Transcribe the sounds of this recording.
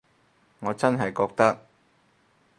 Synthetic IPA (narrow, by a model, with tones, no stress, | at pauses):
ŋɔː˨˧t͡sɐ˥nɦɐ˨jkɔː˧k̚t̪ɐ˥k̚